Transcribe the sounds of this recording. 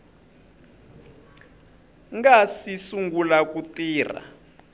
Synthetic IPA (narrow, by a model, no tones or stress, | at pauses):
ŋɡasisuŋɡulakutiːr̤a̰